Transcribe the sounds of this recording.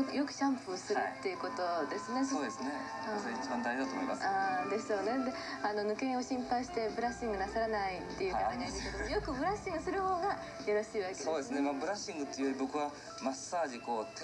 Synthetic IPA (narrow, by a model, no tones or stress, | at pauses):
kjo̞kɯ̟̥ɕãmpɯ̟osɨɾɯt̪ːe̞jɯ̟ko̞t̪o̞d̪e̞sɨne̞ssoːd̪esɨne | eit͡ɕibãnd̪ajʑod̪at̪omo̰ḭmasaːd̪e̞sɨ̥ɕo̞ːne̞d̪e̞ | ano̞nɯ̟kẽ̞oɕĩmpaiɕi̥t̪e̞bɯ̟ɾaɕĩŋɡɯ̟nasaɾanait̪ːe̞jɯ̟aaɲid̪esked̪omojo̞kɯ̟bɯ̟ɾaɕĩŋɡɯ̟sɨɾɯ̟ho̞ːɡa | jaɾo̞ɕiːβake̥o̞ːd̪esɨnemabɯ̟ɾaɕĩŋɡɯ̟t̪ːeiɯjoɾʲibo̞kɯ̟βa | masːaːʑiko̞ːt̪